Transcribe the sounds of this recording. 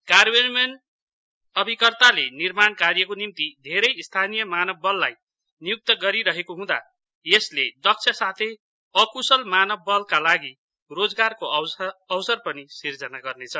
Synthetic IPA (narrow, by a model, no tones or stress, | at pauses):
karbenmen | ʌbʱikʌrt̪alenirmankarjʌkonimt̪id̪ʱeɾʌjst̪ʰanijʌmanʌbːʌlːaj | nijuk̚t̪ʌɡʌɾiɾʌɦekoɦũd̪a̰ | jesled̪ʌk̚t͡sʰʌsat̪ʰej | ʌkusʌlmanʌbːʌlkalaɡi | rod͡zɡarkoʌwsʌrpʌnisird͡zʌnaɡʌrnet͡sʰʌ